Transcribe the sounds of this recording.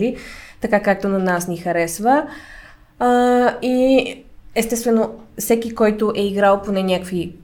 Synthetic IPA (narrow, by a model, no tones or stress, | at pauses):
it̪ɐkakak̚t̪onɐnasnixɐɾɛsvə | i | ɛst̪ɛst̪vɛnofsɛkʲikɔjt̪oʔɛiɡɾalˠponɛnʲakkvi